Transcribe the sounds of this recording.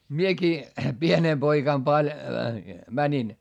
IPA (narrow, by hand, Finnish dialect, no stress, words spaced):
miekiː pieneː poikɑm pɑlʲ mænʲin